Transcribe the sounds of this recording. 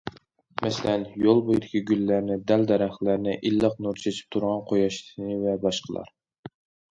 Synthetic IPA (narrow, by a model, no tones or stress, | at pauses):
mɛselɛnjolˠbojd̪ɪkʲʰiɡʲylːæɾnɪd̪æld̪ɛɾæχlæɾnɪʔilːəqnuɾt͡ʃʰet͡ʃʰi̥p̚t̪ʰuɾʁɑnqʰojɑʃnɨvɛbɑʃqʰəlˠɑ̰ɾ